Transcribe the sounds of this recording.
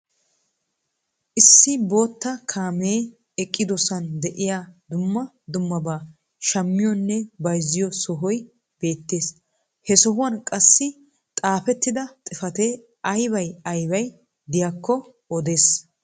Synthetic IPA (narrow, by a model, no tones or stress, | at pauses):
ʔɪsːɪbo̞ːt̪ːɐkʰaːmeː | ɛkʼːɪd̪ɔsɐnd̪ɛʔɪjaːd̪ʊmːɐ | d̪ʊmːɐbaː | ʃɐmːɪjɔnːɛbɐjzɪjɔsɔɦɔj | b̥e̞ːt̪ːe̞ːs | hɛsɔɦʊwɐnkʼɐsːɪ | t̪ʼaːfɛt̪ːɪd̪ɐt̪ʼɪfɐt̪e | ɐjbɐjɐjbɐj | d̪ɪjaːkːɔ | ɔd̪e̞ːs